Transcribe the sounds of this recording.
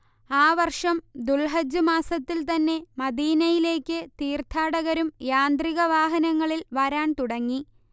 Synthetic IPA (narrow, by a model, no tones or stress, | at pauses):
aːʋɐrʂɐmd̪ulɦɐd͡ʑumaːsɐt̪ːilt̪ɐnːe̞mɐd̪iːnɐjile̞ːkːɨt̪iːrt̪ʰaːɽɐɣɐɾumjaːnd̪riɣɐʋaːɦɐnɐŋːɐɭilʋɐɾaːɳt̪uɽɐŋːi